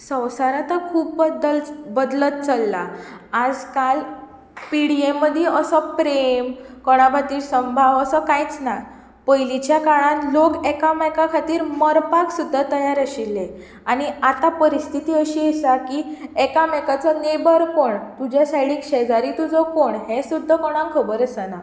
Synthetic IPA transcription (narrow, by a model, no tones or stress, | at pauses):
sə̃wsaɾat̪əkʰuːpbd̪əlbəd̪lət̪̚t͡səlːaːd͡zkal | piɽiemːəd̪ʱjeʔəsɔpɾemkɔɽ̃abʱat̪iːɾsəmbʱaʋəsəkãjit͡snaj | pəjlit͡ɕjakaɭãnlokekamɛkakʰat̪iːɾməɾpaksud̪ʱːat̪əjaɾaɕilːe | aɽ̃iat̪apəɾist̪ʰit̪iːəɕiesakiekamɛkat͡sɔnebəɾkoɳt̪ud͡ʑjasaɽiːkɕɛd͡zaɾit̪ud͡zɔkoɳɦẽsud̪ʱːəkɔɽ̃ãŋkʰəbəɾəsana